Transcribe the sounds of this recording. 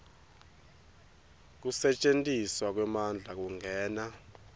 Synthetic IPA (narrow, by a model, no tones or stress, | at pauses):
k̬usɛt͡ʃʼentʼiswak̬wɛmand͡ɮʱak̬uŋʱɛːna